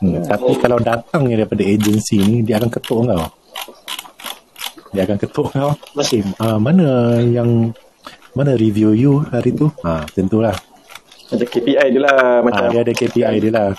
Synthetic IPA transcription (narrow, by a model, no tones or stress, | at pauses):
t̪apikalawdat̪aŋjadaipadaed͡ʒənsinidiaakankət̪oʔŋkaw | diaakankət̪oʔəŋɡaw | amanajaŋ | manãɾivijujuhaɾit̪uat̪ənt̪ulah | mat͡ʃakepiajdilahmaaadiadakepiajdilah